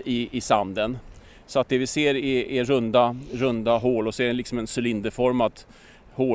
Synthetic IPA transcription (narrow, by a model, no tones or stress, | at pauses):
ɪɪsand̪ən | sɔat̪̚d̪ɛvɪseːɾɪːɾɵnd̪aɾɵnd̪aɦoːlɔsɔɛɖɛlɪksɔmɛnsʏlɪnd̪əfɔɾmat̪ | hoː